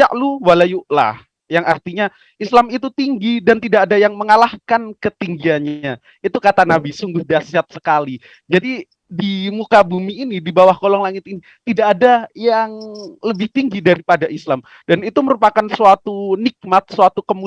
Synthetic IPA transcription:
jaʔluwalajuʔla̰h | jaŋa̰rt̪iɲa | islamit̪ut̪iŋɡidant̪idaʔːdajaŋməŋalahkankət̪iŋɡianɲa | it̪ukat̪anabisuŋɡʊhdasiat̪̚sə̥kali | d͡ʒadi | dimukabumiːnidibawahkolɔŋlaŋɪt̪ini | t̪idaːdajaŋləbɪht̪iŋɡidaɾipadaʔislam | d̥anit̪uməɾupakansuat̪unɪk̚mat̪̚suat̪ukəmu

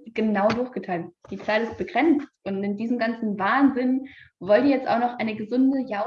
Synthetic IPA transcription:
ɡ̥ənaʊdʊɐçɡ̥ətʰaɪltd̥iːt͡saɪlɪst̚b̥əɡʁɛnt͡stʊntɪndiːzəm̩ɡant͡sn̩vaːnzɪnvɔldiːjɛt͡stʔa̰ʊxnɔχʔaɪnəɡəzʊndəja

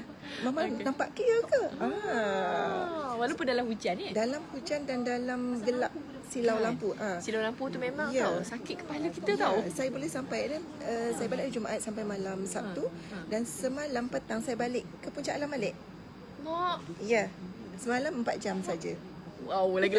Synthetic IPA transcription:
mamanampaʔkəjəkəa | walawpʊndalamhud͡ʒanədalamhud͡ʒandandalamɡəlap̚ | silawlampuʔasilawlamput̪umemãŋjasakɪt̪̚kə̥paləkiət̪awsajabolɛhsampajnə | əsajabalɪʔd͡ʒumaʔat̪̚sampajmalamsat̪udansəmãlampət̪aŋsajabalɪʔkəpuɲt͡ʃaʔanlamalɛʔ | ɔʔja | səmalaməmpat̪̚d͡ʒamsad͡ʒa | wawlaɡ

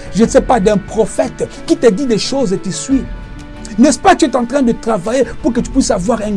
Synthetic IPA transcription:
ʒənsɛpad̪ɛ̃pʁɔfɛt̪ | kit̪əd̪id̪ɛʃozekisɥi | nɛspat̪yɛt̪ɑ̃t̪χɛ̃d̪ət̪χavajepuʁkət̪y̥pɥisavwaʁɛ̃

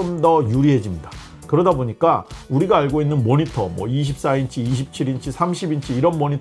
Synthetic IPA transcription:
ʌmdʌjuɾiɦe̞d͡ʑimɲida | kɯɾʌdaboɲik͈auɾiɡaaɭɡoinːɯnmoɲitʰʌmwʌ̰iɕ̬ʰip̚s͈aint͡ɕʰiːɕ̬ʰip̚t͡ɕʰiɾint͡ɕʰisʰamɕʰibint͡ɕʰiːɾʌnmʌɲit

